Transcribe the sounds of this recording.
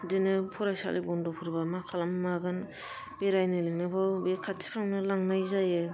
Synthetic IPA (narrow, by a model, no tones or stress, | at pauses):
dinɯpʰɔɾajsa̰lḭbɔndɔpʰuɾbamakʰalammaɡɯn | b̥eɾajnɯlɯŋnɯbawbekʰatʰi̥pʰɾaŋnɯlaŋnajzajɯ